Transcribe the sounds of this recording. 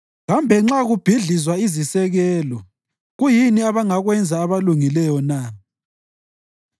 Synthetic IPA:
ɣambʱɛŋ͡ǁaɣub̥ʱiɮizwaizisɛɣɛːlɔ | ɣujiniaβaŋaɣwɛnd͡zʱaːβaluŋilɛjɔna

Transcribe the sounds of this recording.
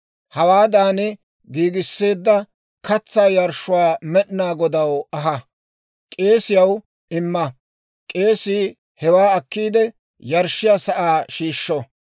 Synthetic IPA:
hɐwaːd̪aːnɛ | ɡiːɡɪsːe̞ːd̪ːɐ | kɐt͡sːaːjɐɾʃːʊwaːmɛɗnaːɡɔd̪ɐwɐɦɐ | kʼe̞ːsɪjɐw | ɪmːɐ | kʼe̞ːsiː | hɛwaːɐkːiːd̪ɛ | jɐɾʃːɪjasɐʔaːʃiːʃːɔ

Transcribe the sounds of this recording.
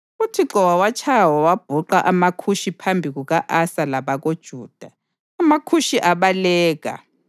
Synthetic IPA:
utʰiǁɔwawat͡ʃʰajwawab̥ʱuǃaʔamakʰuʃipʰambʱiɣuɣaʔasalaβaɣod̥ʒ̥ʱuːd̥ʱaː | makʰuʃiʔaβalɛːɣa̰

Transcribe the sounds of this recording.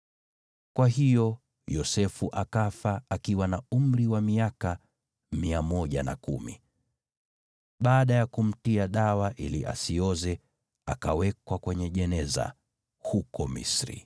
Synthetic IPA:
kwaɦijɔ | jɔsɛfuʔakafaakiwanaum̩ɾiwamiaka | miamɔʄana̰kṵmḭ | ɓaːɗajakum̩tiaɗawaʔḭliʔa̰siɔzɛ | akawɛkwakwɛɲɛʄɛnɛza̰ | hukɔmḭsɾḭ

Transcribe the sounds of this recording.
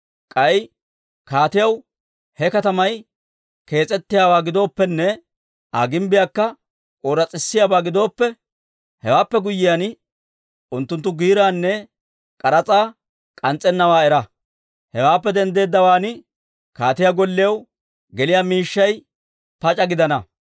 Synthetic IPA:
kʼɐj | kaːt̪ɪjɐw | hɛkɐt̪ɐmɐj | ke̞ːt͡sʼɛt̪ːɪjaːwaːɡɪd̪o̞ːpːɛnːɛ | ʔaːɡɪmbɪjakːɐ | kʼoːɾɐt͡sʼɪsːɪjaːbaːɡɪd̪o̞ːpːɛ | hɛwaːpːɛɡʊjːɪjan | ʔʊnt̪ːʊnt̪ːʊɡiːɾaːnːɛ | kʼɐɾɐt͡sʼaː | kʼɐnt͡sʼːɛnːɐwaːɛɾɐ | hɛwaːpːɛd̪ɛnd̪e̞ːd̪ːɐwaːnɪ | kaːt̪ɪjaɡɔlːɪjɐw | ɡɛlɪjaːmiːʃːɐj | pɐt͡ʃʼɐɡɪd̪ɐnɐ

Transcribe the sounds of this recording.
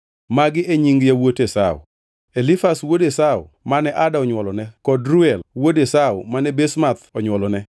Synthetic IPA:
maɡɪeɲiŋɡjawotesaʊ̰ | elifaswodesaʊ̰manɛʔadaɔɲwɔlɔnɛkɔdɾuɛlwodesaʊmanɛbesmat̪ɔɲwɔlɔnɛ

